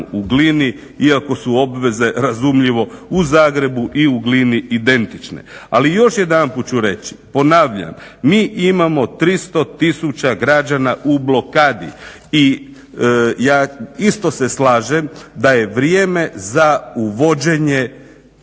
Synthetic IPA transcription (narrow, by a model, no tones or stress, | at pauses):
uɡlini | iako̞suo̞bʋe̞ze̞ɾazumʎiʋo̞uzaːɡɾe̞buʔiuɡliniʔid̪e̞nt̪it͡ʃne̞̰a̰lijo̞ʃje̞d̪anput̪t͡ʃuɾe̞t͡ɕi̥po̞naːʋʎa̰mːiːʔimamo̞t̪ɾist̪o̞t̪isut͡ʃaɡɾad͡ʒanaʔublo̞kaːd̪ḭ | i | jaːist̪o̞se̞slaːʒe̞md̪aje̞ʋɾjeːme̞zauʋo̞d͡ʑe̞ɲe̞